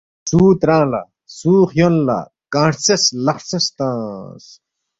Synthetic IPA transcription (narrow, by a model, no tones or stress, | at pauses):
suːt̪ɾãːlɐ̰ | suːxjonla̰ | kãːʈt͡sɐslɐxsɐst̪ãːs